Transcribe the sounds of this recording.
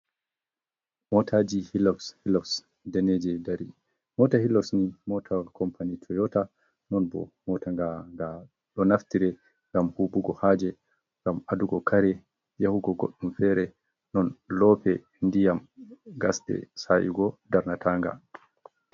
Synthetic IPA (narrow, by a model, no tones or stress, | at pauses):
mɔtʰaːd͡ʒihilɔfshilɔfs | dɛnɛd͡ʒɛdaɾi | mɔtahilɔfsnimɔtʰakʰɔmpanitʰɔjɔta | nɔnbɔ̰mɔtaŋɡaŋɡa | ɗɔnaftiɾɛ | ŋɡamhubuɡɔhaːd͡ʒɛ | ŋɡamaduɡɔkʰaɾɛ | jahuɡɔɡo̰ɗːumfɛɾɛ | nɔnlɔːpɛ | ndijamɡasdɛ̰saʔḭɡɔdaɾnatʰaːŋɡa̰